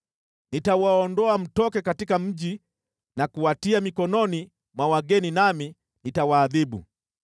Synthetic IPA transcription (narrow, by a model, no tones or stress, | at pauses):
nitawaɔndɔam̩tɔkɛkatikam̩ʄi | nakuwatiamikɔnɔni | mwawaɡɛninami | nitawaːðiɓṵ